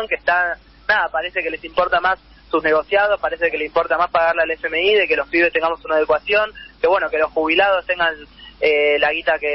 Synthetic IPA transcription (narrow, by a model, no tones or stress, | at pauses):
ŋkeht̪a | naðapaɾe̞seke̞le̞simpo̞ɾt̪amasː | usne̞ɣo̞sjaðo̞spaɾesekeleimpo̞ɾt̪amaspaɣaɾlealefemeiðe̞ke̞lo̞spiβe̞st̪e̞ŋɡamo̞sunaðekwasjo̞ŋke̞βwe̞no̞ke̞lo̞sxuβilaðo̞st̪e̞ŋɡanelaɣit̪ake